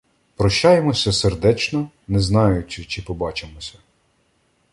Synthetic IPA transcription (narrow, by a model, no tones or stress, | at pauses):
pɾɔʃt͡ʃːɑjemɔsʲɐserd̪ɛt͡ʃnɔ | nɛznɑjʊt͡ʃɪt͡ʃɪpɔbɑt͡ʃemɔsʲɐ